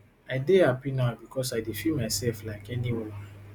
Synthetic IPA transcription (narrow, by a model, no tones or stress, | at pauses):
aɪdeapinabikʰɔsaɪdifimaɪsɛlflaɪkɛniwɔ̃